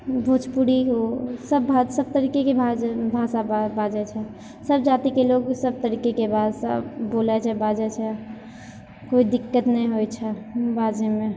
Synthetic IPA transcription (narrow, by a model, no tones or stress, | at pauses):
bʱot͡ʃpuɽiɦosəbbʱasəb̚t̪əɾiːkekebʱad͡ʒbʱaːsababaːd͡ʒɛt͡ʃʰɛ | səbd͡ʒaːt̪ikeloːɡsəb̚t̪əɾiːkekebʱaːsa̰boːlɛt͡ʃʰɛbaːd͡ʒɛt͡ʃʰɛ | koːid̪ɪkːət̪nəɦĩɦojt͡ʃʰɛbʱaːd͡ʒemẽ